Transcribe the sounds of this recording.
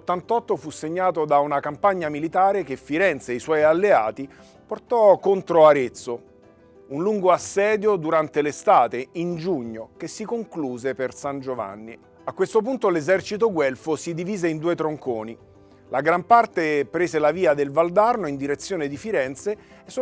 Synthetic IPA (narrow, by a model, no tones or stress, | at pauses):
t̪ːant̪ɔt̪ːofusːeɲːaːt̪od̪aunakampaɲːamilit̪aːɾekefːiɾɛnt̪seiswɔjalːea̰ːt̪i | port̪ɔkont̪ɾoaɾet̪sːo | unluŋɡoasːɛːd̪jod̪uɾant̪elest̪aːt̪eind͡ʒuɲːokesːikoŋkluːzepersand͡ʒova̰nːi | akːwest̪op̬unt̪olezɛrt͡ʃit̪oɡwɛlfosid̪iviːzeind̪uːet̪ɾoŋkoːni | lʔaɡɾampart̪epɾeːzelaviːad̪elvald̪arnoind̪iɾet̪sːjoːned̪ifiɾɛnt̪seː | sː